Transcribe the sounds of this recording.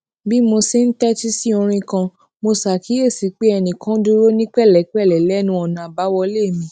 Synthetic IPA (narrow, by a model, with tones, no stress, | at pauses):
bi˦mo˧si˧n̩˦tɛ˦ti˦si˦o˧ɾ̃ĩ˧kã˧ | mo˧sa˨ki˨˦e˦˨si˨k͡pe˦ɛ˧˨nĩ˨kã˦du˦ɾo˦nĩ˦k͡pɛ˦˨lɛ˨˦k͡pɛ˦˨lɛ˨lɛ˨˦nũ˧˦ɔ˨nã˨ba˨˦wɔ˧le˦˨mĩ˧